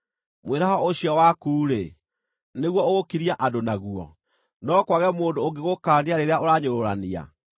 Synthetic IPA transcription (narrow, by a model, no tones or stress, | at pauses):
mweɾaɦɔoɕiɔwakuːɾe | neɣwɔoɣokiɾiaʔadonaɣuɔ̰ | nɔkwaɣɛmoːndoːɡeɣokaːneaɾeɾeaʔoɾaɲoɾoɾania̰